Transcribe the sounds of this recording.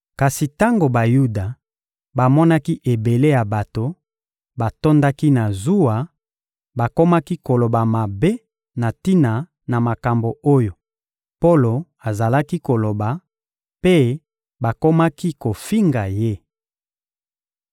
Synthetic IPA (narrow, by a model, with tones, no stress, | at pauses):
ka˨si˨ta˦ŋɡo˨ba˨ju˦da˨ | ba˨mɔ˦na˦ki˦ʔe˨be˨le˦ja˨ba˨to˨ | ba˨to˦nda˦ki˦na˨zu˦a˨ | ba˨ko˦ma˦ki˦ko˨lo˨ba˨ma˨be˦ | na˨ti˦na˨ | na˨ma˨ka˨mbo˨o˦jo˨ | po˦lo˨ | a˨za˨la˦ki˦ko˨lo˨ba˨ | pe˦ | ba˨ko˦ma˦ki˦ko˨fi˦ŋɡa˨je˦